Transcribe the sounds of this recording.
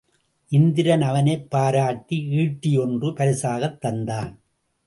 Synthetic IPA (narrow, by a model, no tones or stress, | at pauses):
ʔɪnd̪ɪɾɐnɐʋɐnɐɪpːaːɾaːʈːiiːʈːɪjɔndrɯpɐɾɪsaːɣɐt̪ːɐnd̪aːn